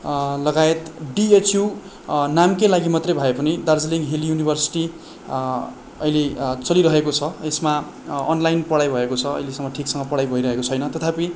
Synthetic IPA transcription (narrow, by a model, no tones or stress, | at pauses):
lʌɡaet̪ɖiet͡sju | namkelaɡimʌt̪rʌjbʱʌepʌnid̪ard͡ziliŋɡɦiljunibʱʌrsi̥ʈi | ʌ̰jlet͡sʌliɾʌɦekot͡sʰʌesma | ʌnlajnpʌɽajbʱʌekot͡sʰʌʌ̰jlesʌŋːʌʈʰiksʌŋɡʌpʌɽajbʱʌiɾʌɦekot͡sʰʌjnʌt̪ʌt̪ʰapi